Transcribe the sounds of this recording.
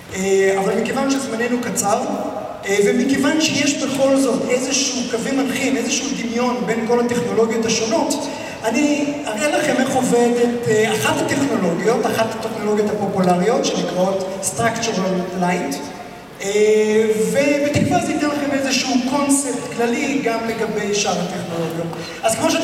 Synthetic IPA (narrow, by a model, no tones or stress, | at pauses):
eavalmikevanʃezmane̞nukat͡sav | vemikevanʃejeʃbe̞χo̞lzo̞tezeʃuukavimanχimezeʃuud̪imjo̞nbe̞nko̞lhate̞χno̞lo̞ɡjo̞thaʃo̞no̞t | aniaʁelaχe̞meχovedetaχatate̞χno̞lo̞ɡjo̞taχathat̪eχno̞lo̞ɡjo̞tapo̞pulaʁijo̞tʃenikʁao̞t | st̪ʁakt͡ʃuʁallajt | e | vevet̪ikbalt̪inelaχemezeʃuuko̞nsept̪klaliɡamle̞ɡabe̞jʃaʁate̞χno̞lo̞ɡjot | azkmo̞ʃ